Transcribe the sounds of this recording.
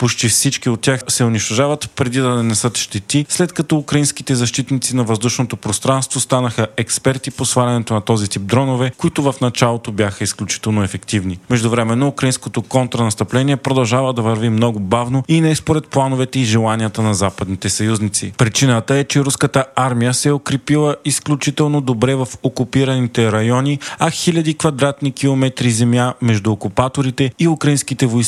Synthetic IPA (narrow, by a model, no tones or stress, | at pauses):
pot͡ʃt̪ifsit͡ʃkiot̪̚tːʲaxsɛʊniʃt̪oʒavət̪pɾɛd̪id̪ɐnɛnɛsət̪ʃt̪ɛt̪islɛt̪kɐt̪ɔukɾɐinskit̪ɛzɐʃt̪it̪nit̪sinɐvɐzd̪uʃnot̪opɾost̪ɾanst̪vost̪anəxəɛkspɛɾt̪iposvaɾʲɐnɛt̪onɐt̪ɔzit̪ip̚d̪ɾɔnovɛkoit̪ʊvɐfnɐt͡ʃalˠot̪obʲjaxəisklʲut͡ʃi̥t̪ɛlˠnoɛfɛkt̪ivnimɛʒd̪ʊvɾɛmɛnːoukɾɐinskot̪okɔnt̪ɾɐnɐst̪ɐplɛniɛpɾod̪ɐlˠʒavəd̪ɐvɐɾvimnɔɡʊbavnoinɛspoɾɛt̪̚plˠanovɛt̪ɛiʒɛlˠanijət̪ənɐzapəd̪nit̪ɛsɐjuznit̪sḭpɾit͡ʃinət̪əɛt͡ʃɛɾuskət̪əaɾmijəsɛɛokɾɛpilˠəisklʲut͡ʃit̪ɛlˠnod̪obɾɛvɐfokupiɾənit̪ɛɾɐjɔnʲiɐxilʲɐd̪ikvɐd̪ɾat̪nikilˠomɛt̪ɾizɛmjamɛʒd̪ʊːkupat̪oɾit̪ɛiukɾɐinskit̪ɛvojs